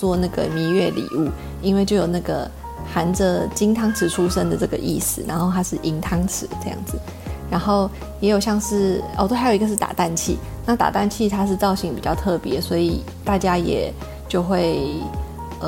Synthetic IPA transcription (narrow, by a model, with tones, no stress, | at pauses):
t͡swɔ˥na˥˩ɡə̰˩mi˧˥nɥɛ˥˩lḭ˨˩u˥˩ | i˥nwe˥˩ɪt͡ɕjo˥˩ʊjo˨˩ʊna˥˩ɡə̰˩ | xa˧˥nd͡zə˧t͡ɕi˥ŋt̪ʰɑ˥ŋt͡sʰɻ̩˨˩ʈ͡ʂʰu˥ʂə˦˥nd̪ə˨ʈ͡ʂɤ˥˩ɡə̰˩ʔḭ˥˩sɹ̩˩ɻa̰˧˥nxo˥˩ʊt̪ʰa˥ʂɻ̩˥˩ʔi˧˥ŋt̪ʰɑ˥ŋt͡sʰɻ̩˧˥˦ʈ͡ʂɤ˥˧jɑ̰˥˩ŋd͡z̩˨˩ | ɻa˧˥nxo˥˩ʊ | jɛ˧˥jo˨˩ʊɕjɑ˥˧ŋʂɻ̩˥˩ɔ˧˩t̪o˥xjo˨˩˧ɡə˧ʂ̬ɻ̩˥˩t̪a̰˨˩t̪a˥˧nt͡ɕʰḭ˥˩ | na˥˩t̪a̰˨˩t̪a˥˧nt͡ɕʰi˥˧t̪ʰa˥ʂ̬ɻ̩˥˧t͡sɑ˥˧ʊɕi˧˩ŋpi˨˩t͡ɕjɑ˥˧ʊt̪ʰɤ˥˩pjɛ˧˦swɔ˧˥i˨˩ | t̪a˥˩t͡ɕja˥jɛ̰˨˩ | t͡ɕjo˥˧ʊxwe˥˩ɪ | ə˩